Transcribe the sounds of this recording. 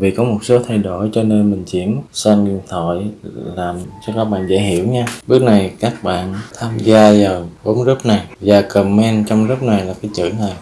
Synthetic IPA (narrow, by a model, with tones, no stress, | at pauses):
vḭ˧˨kɔ˨˦mo˨˩t̚so˨˦t̪ʰa˧jɗo˧˩jt͡ɕɔ˧ne˧nmï˨˩ŋ̟t͡ɕi˧˩ənsa˧n˨˩t̪ʰɔ̰˧˨jlaː˨˩mt͡ɕɔ˧kaː˦˥k̚ɓa̰ː˧˨nzə̰ː˧˥jhḭ˧˨əwɲaː˧ɓɨ˦˥ək̚na˨˩jkaː˦˥k̚ɓa̰ː˧˨nt̪ʰaː˧mzaː˧zaː˨˩ɓo˨˦nzə˦˥p̚na˨˩jzaː˨˩kə˨˩mmɛ˧nt͡ɕɔ˧wŋ͡mzə˦˥p̚na˨˩jlaː˨˩kaː˨˦jt͡ɕɨ̰˧˩˥a˨˩j